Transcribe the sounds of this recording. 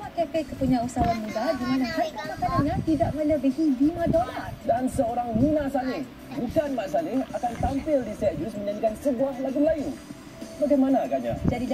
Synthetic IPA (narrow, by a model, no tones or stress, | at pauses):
waʔkepekəpuɲãusawanmudadimanakakəmakanaɲãt̪idaʔbaləbəhidimadɔnadansəoɾaŋmunãsalɪh | mukanmaʔsalɪhakant̪ampɪldisɛt̪̚usmə̃ɲaɲikansəbuahlaɡulain | baɡajmanãkaɲa̰d͡ʒadi